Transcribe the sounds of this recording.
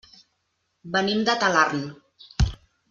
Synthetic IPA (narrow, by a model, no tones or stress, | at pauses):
bənimd̪ət̪alarn